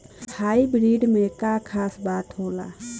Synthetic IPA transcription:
haːibɾiːɖmẽkakʰaːsbaːt̪ɦoːla̰ː

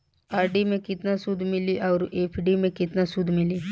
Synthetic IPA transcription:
aːɾɖimẽkɪt̪nasʊd̪ʱːmɪliʔɔːɾeːpʰɖimẽkɪt̪nasʊd̪ʱmɪli

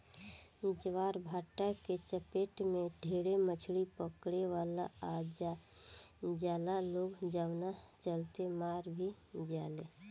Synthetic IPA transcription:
d͡ʒəʋaːɾbʱaːʈaket͡ʃəpeːʈmẽɖʱeːɽemət͡ʃʰɽipəkɽeʋaːla̰ad͡ʒa | d͡ʒaːlaloːɡd͡ʒaːʊnat͡ʃəlt̪emaːɾbʱi | d͡ʒaːle

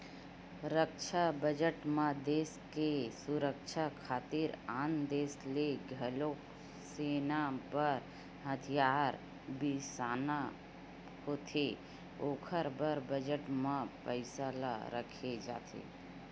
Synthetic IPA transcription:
ɾəkʃʰabəd͡ʒəʈmãd̪eːskesuɾəkʃʰakʰaːt̪iɾaːnd̪eːsleɡʱəlo | seːnapəɾ | ɦət̪ʰijaːɾ | bisaːna | hoːt̪ʰe | oːkʰəɾbəɾbəd͡ʒəʈmãpəɪsala̰ɾə̰kʰed͡ʒa̰ːt̪ʰḛː

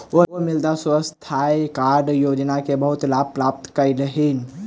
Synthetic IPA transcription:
oomild̪aswəst̪ʰajkaɾɖjod͡ʒnakebəɦut̪lab̚pɾap̚t̪kəjləɦin

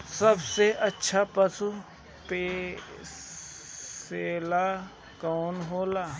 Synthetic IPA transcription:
səbseɐtːʃʰapəsu | peː | seːla | kɔːnɦoːlaː

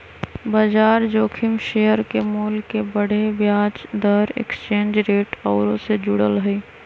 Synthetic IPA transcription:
baːd͡ʒaːɾd͡ʒoːkʰɪmʃejəɾkemuːlkːebəɽ̤ebjaːd͡ʒd̪əɾḛkst͡ʃẽːnd͡ʒɾeːʈɔːɾõsed͡ʒʊɽəlɦʊi

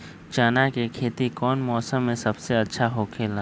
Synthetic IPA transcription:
t͡ʃaːnakekʰeːt̪ikɔːnmɔːsəmːẽsɐbseɐtːʃʰaɦoːkʰeːla

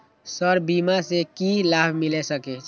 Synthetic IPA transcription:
səɾbimasekilabʱmilɛsəkɛt͡ʃʰ

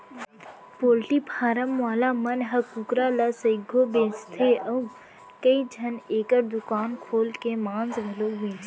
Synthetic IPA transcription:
poːlʈipʰaːɾəmʋaːlamənɦəkukɾalasəɪɡʱobẽːt͡ʃt̪ʰeʔəu | kəid͡ʒʱəneːkəɾd̪ʊkaːnkʰoːlkemãːnzbeloːbẽːt͡ʃ

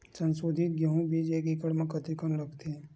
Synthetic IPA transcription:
sənsoːd̪ʱit̪̚ɡjəɦũbid͡ʒekikəɽmẽkət̪ikənɾəɡt̪e

